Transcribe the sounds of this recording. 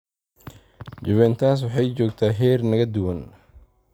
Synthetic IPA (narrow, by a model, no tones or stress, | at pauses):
d͡ʒɪβɛːnt̪ʰaːs̬wɑħɑjt͡ʃɔːɡt̪ʰaːɦɛːrnɐɣɐd̪ʊwɐn